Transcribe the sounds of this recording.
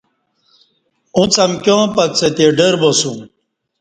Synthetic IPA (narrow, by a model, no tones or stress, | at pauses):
ũt͡sʰɐmkʲjõːpɐk̚t͡set̪eɖəɾbosũ